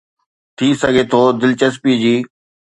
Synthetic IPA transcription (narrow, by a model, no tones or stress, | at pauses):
t̪ʰiːsɐɡʱet̪ʰoːd̪ɪlt͡ɕəs̬pid͡ʑiː